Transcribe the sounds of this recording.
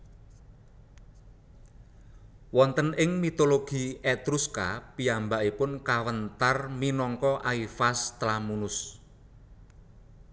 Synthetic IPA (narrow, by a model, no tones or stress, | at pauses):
wɔnt̪ənɪŋmit̪oloɡ̥i̤ɛt̪ɾuska̰piambaʔipʊnkawənt̪arminɔŋkɔʔaifast̪lamunʊs